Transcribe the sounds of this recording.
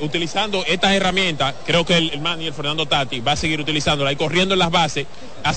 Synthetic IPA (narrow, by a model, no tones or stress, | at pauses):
ut̪ilisand̪oe̞st̪ase̞ramjẽ̞nt̪askɾe̞okelelmãnielfe̞ɾnãnd̪ot̪at̪iβaːseɣiɾut̪ilisand̪olaiko̞rje̞nd̪olazβase̞s | a